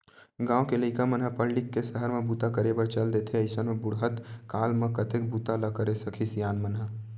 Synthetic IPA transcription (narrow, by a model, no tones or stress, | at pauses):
ɡãːokeləɪkamənɦəpəɽlɪkːesəɦəɾmẽbut̪akəɾebəɾt͡ʃəld̪et̪ʰeəɪsənmẽbʊɽɦət̪kaːlmẽkət̪ek̚but̪aləkəɾesəkʰisjaːnmənɦə